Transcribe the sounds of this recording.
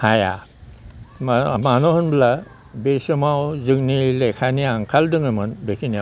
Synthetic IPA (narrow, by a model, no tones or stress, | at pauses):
haja̰ | mmanohɯnbla | besɯmawzɯŋnilekʰaniaŋkʰaldɯŋɯmɯnbekʰinija